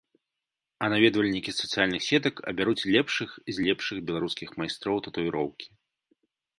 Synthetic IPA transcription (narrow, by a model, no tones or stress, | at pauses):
ɐnavʲɛd̪vɐlʲnʲikʲisɐt̪sɨjalʲnɨxsʲɛt̪ɐkɐ̰bʲaɾut͡sʲlʲɛpʂɨxzʲlʲɛpʂɨxbʲɛlˠaɾuskʲixmajst̪ɾɔwt̪ɐt̪uiɾɔwkʲi̥